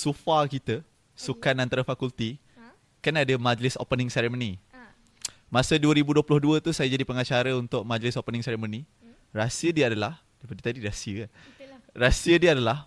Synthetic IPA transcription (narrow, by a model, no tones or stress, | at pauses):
sufakit̪ə | sukanant̪aɾafakult̪i | kanadəmãd͡ʒlɪso̰pənɪ̃ŋsɛɾemõni | mãsəduəɾibuduəplʊhduət̪usajad͡ʒadipəŋat͡ʃaɾəunt̪ʊʔ̚mãd͡ʒlɪsopənɪ̃ŋsɛɾemõni | rasiədiəadalah | dapadit̪adiɾasiə | rasiədiəadalah